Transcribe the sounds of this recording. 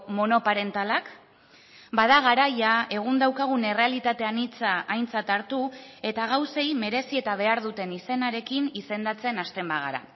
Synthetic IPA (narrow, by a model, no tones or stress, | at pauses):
mo̞no̞paɾe̞nt̪alak | baðaɣ̞aɾajae̞ɣ̞und̪awkaɣ̞une̞re̞alit̪at̪e̞anit͡saːjnt͡sat̪aɾt̪ue̞t̪aɣ̞awse̞jme̞ɾe̞sie̞t̪aβ̞e̞aɾðut̪e̞nise̞naɾe̞kinise̞nd̪at͡se̞nast̪e̞mbaɣ̞a̰ɾa̰